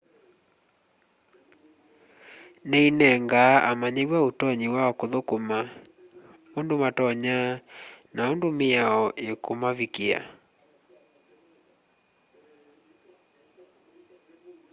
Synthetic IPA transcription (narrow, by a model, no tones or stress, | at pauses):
nɛinɛŋɡaʔamaɲeɾwaotɔɲiwaɔkoðokoma | ondomatɔɲanaondomeaɔʔekomaβikea̰